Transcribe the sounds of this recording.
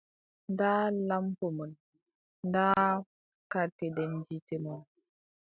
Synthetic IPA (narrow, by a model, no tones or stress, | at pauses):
ndalampomən | nda | katedɛnd͡ʒitemən